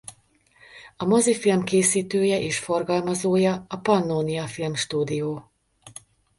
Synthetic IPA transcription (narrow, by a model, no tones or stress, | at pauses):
ɒmozifilmkeːsiːt̪øːjɛʔeːʃfo̞rɡɒlmɒzoːjɒɒpɒnːoːnijɒfilmʃt̪uːd̪ijoː